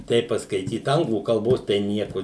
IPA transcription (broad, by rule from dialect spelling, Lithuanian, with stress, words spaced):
ˈtʲɛɪp pɐskɐɪˈtʲiːt ˈɐŋɡlˠuː kɐlˠˈboːs tɐɪ ˈnʲiɛkʊ